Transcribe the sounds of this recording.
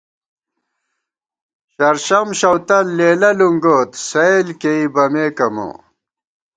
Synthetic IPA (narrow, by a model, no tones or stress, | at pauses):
ɕɐɾɕɐmɕɐwt̪ɐlːeːlɐluŋɡoːt̪sɐelkeibɐmeːkɐmo̰